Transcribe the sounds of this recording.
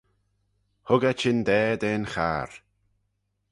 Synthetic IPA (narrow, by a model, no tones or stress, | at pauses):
hʊɡət͡ʃɪnd̪ɛːd̪eːnxa̰ːɾ